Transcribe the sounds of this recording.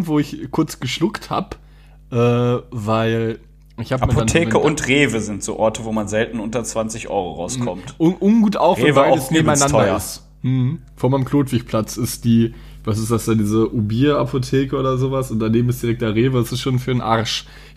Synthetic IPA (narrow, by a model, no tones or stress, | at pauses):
v̥oːɪçkʰʊɐt͡sɡ̥əʃlʊktha̰ːp | ʔɛːvaɪl | ʔɪçhaːbampoantʰeːmkəʊntʁeːvəzɪntz̥o̰ːʔɔɐtʰəvoːmanzɛltn̩ʔʊntɐt͡sv̥ant͡sɪçʔɔ̰ʏʁoʁa̰ʊskʰɔmtʔʊnʔʊnɡuːtʔaʊxfʁvaaɪdəsneːbm̩aɪnanɔdɐɪs | m̩h̩ | foɐmaɪəmkʰl̥oːtv̥ɪçpʰl̥at͡sɪstd̥iː | vas̬ɪsd̥asd̥aːdiːzəʔubiːapʰotʰeːkəoːdɐzoːvasʊnt̚d̥aneːbm̩ɪstd̥iʁɛk̚td̥aːʁeːvədasɪstʃoːnfyːɐənʔaɐʃ